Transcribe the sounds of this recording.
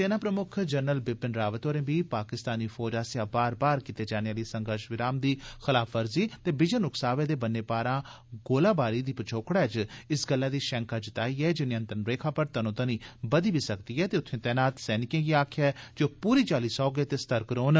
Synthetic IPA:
seːnaːpɾəmʊkʰd͡ʒəɾnəlbɪpːɪnɾaːʋət̪oːɾẽːbiːpaːkɪst̪aːniːfʰɔːd͡ʒaːsɪjãːbaːɾbaːɾkiːt̪eːd͡ʒaːneaːliːsə̃ŋɡəɾʃʋɪɾaːmd̪iːxɪlaːfəɾziːt̪eːbɪd͡ʒənʊksaːʋẽːd̪eːbənːeːpaːɾãː | ɡoːlaːbaːɾiːd̪iːpət͡ʃʰoːkɽɛːd͡ʒɪsɡəlːaːd̪iːʃɛ̃ːŋkaːd͡ʒɪt̪aːiːɛːd͡ʒɪnːeə̃nt̪ɾənɾeːkʰãːpəɾt̪ənot̪əniːbəd̪iːbiːsək̚d̪iːɛːt̪eːʊt̪ʰːẽːt̪ɛːnaːt̪sɛːnɪkẽːɡiːaːkʰjaːd͡ʒoːpuːɾiːt͡ʃaːliːsɔːɡeːt̪eːst̪əɾkɾoːn

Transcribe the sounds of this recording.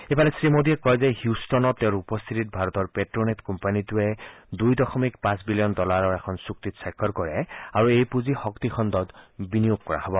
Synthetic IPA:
ebalɛsɹimodiɛkɔjzɛhjustɔnɔtɛʊ̃ɹupɔst̪ʰitit̚bʱaɹɔtɔɹpetɹɔnetkɔmpanituɛdujdɔxɔmikpãsbilijɔndɔlaɹɔɹɛkʰɔnsuktitsakʰːɔɹkɔɹɛaɹuejpuzixɔktixʰɔndɔtbinijoɡ̚kɔɹa̰hɔbɔ

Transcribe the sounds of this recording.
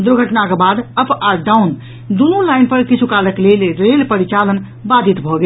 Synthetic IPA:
d̪uɾɡʱəʈnakebad̪əpʰaɖaun | d̪unulajnpəɾkit͡ʃʰukaləklelɾelpəɾit͡ʃalən | bad̪ʱit̪bʱɔɡe

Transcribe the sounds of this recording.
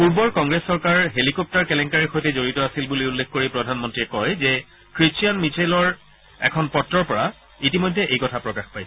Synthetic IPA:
puɹbɔɹkɔŋɡɹesːɔɹkaɹɦelikɔp̚taɹkɛlɛŋkaɹixojtɛzoɹitɔasilbuliulːekxkoɹipɹɔdʱanmɔntɹiɛkɔjzɛ | kɹit͡ʃijanmit͡ʃʰejlɔɹ | ɛ̰kʰɔnpɔtːɹɔɹpɔɹa | itimɔjdʱɛʔejkɔtʰapɹɔkaxpajs

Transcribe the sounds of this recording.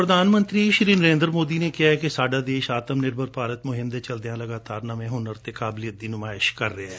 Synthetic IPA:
pɾəd̪aːnmə̃nt̪ɾiːʃɪɾiːnəɾẽːnd̪ɾmoːd̪iːneːkɪjaːɛkesaːɖaːd̪eːʃaːt̪əmnɪɾbʱəɾpaːɾət̪mʊɦɪmd̪eːt͡ʃəld̪ejãːləɡaːt̪aːɾnamẽːɦʊnəɾt̪ekaːblijət̪̚d̪iːnʊmaːɪʃkəɾːeaɛː

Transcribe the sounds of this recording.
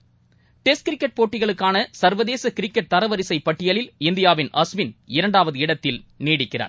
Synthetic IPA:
ʈɛs̚kɪɾɪkːɐʈ̚poːʈːɪɣɐɭɯkːaːnɐsɐɾʋɐðeːsɐkɪɾɪkːɐʈ̚t̪ɐɾɐʋɐɾɪsɐɪpɐʈːɪjɐɭɪlɪnd̪ɪjaːʋɪnʔɐsʋɪnɪɾɐɳɖaːʋɐðɯɪɽɐt̪ːɪlniːɽɪkːɪra̰ːɾ

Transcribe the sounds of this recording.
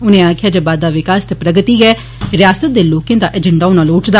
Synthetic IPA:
ʊnẽːaːkʰɪjaːd͡ʒeːbaːd̪ːaːʋɪkaːst̪epɾəɡət̪iːɡɛː | ɾɪjaːsət̪̚d̪eːloːkẽːd̪aːʔɛːd͡ʒəɳɖaːʊnaːlʊʈd̪a

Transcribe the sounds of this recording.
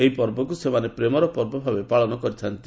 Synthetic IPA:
eɦipɔɾbɔkusemanepɾemɔɾɔpɔɾbɔbʱabepaɭɔnɔkɔɾit͡ʃ̪ʰant̪i

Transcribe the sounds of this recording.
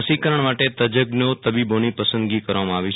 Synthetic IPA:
sikəɾəɳmaʈet̪əd͡ʒəɡnot̪əbibonipəsə̃nd̪ɡikəɾʋamãaʋjut͡ʃʰ

